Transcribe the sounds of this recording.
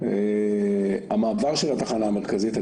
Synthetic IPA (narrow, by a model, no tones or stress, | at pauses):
e | amaːvaʁʃelhat̪aχanaːmeʁkazit̪a